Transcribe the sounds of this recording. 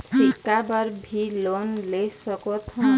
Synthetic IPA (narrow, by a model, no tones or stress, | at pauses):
sikːabʌɾbʱilonlesəkot̪ʰɔ̃